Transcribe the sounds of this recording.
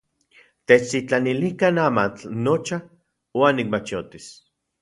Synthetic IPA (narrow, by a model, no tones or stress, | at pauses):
t̪et͡ʃsit͡ɬanilikanaːmat͡ɬnot͡ʃa | waːnːik̚mat͡ʃot̪is